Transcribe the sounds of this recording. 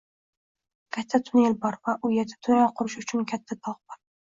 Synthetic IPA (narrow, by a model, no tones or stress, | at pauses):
kʲʰat̪ʰːat̪ʰʊnelbɒɾvaʔʊjeɾd̪at̪ʰʊnɒqʰʊɾɪʃʊt͡ʃʰʊnkʲʰat̪ʰːad̪ɒlˠqbɒɾ